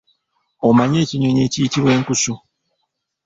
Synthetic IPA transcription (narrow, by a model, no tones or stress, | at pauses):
omaɲeciɲoɲeciciβweŋ̩kusu